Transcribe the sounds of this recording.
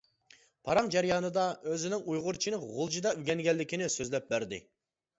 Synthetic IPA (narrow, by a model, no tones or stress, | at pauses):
pʰɑɾɑŋd͡ʒɛɾjɑːnɨd̪ɑøzɪnɪŋujʁʊɾt͡ʃʰinɨʁʊlˠd͡ʒid̪ɑylɡʲɛŋɡʲɛlːɪkʲʰinɪsøzlɛp̚bæɾd̪ɪ̰